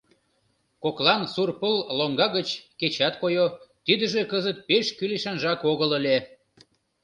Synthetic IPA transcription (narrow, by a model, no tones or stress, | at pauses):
koklɑnsurpəlloŋɡɑɣət͡ɕket͡ɕɑt̪kojot̪id̪əʒekəzət̪̚peʃkyleʃɑnʒɑkoɣələlʲe